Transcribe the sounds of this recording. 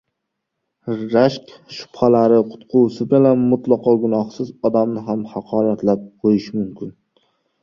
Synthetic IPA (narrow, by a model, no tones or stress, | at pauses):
ɾaʃkʲʃʊ̥phalaɾɪqʰʊ̥t̪qʰʊwsɪbʲɪlamʊt̪lˠɑqɒɡʊnɒhsɪzɒd̪amnɪɦamhɑqʰɒːɾat̪lap̚qʰojɪʃmʊmkʲʰɪn